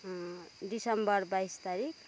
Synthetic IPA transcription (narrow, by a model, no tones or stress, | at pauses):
disʌmbʌrbajst̪aɾik